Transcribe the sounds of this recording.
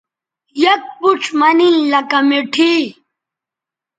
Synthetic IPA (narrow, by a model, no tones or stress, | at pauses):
jɐk̚puʈ͡ʂʰmɐnilɐkɐmeʈʰi